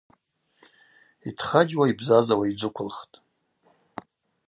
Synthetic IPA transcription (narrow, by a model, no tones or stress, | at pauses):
itʰχad͡ʒwaibzazawaid͡ʒʷɨkʷʰʊlχtʼ